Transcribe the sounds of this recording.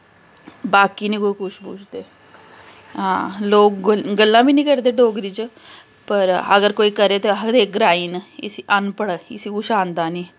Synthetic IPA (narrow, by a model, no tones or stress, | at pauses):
baːkiːnĩːkoːiːkʊʃbṵːt͡ʃʰd̪eː | ɦãːloːkɡəlːãːbiːnĩːkəɾd̪eːɖoːɡɾiːt͡ʃ | pəɾəɡəɾkoːiːkəɾeːt̪eɦəd̪eːk̚ɡɾaːiːnɪ̰siʔənpəɽɪsiːɡʊʃaːnd̪aːnĩː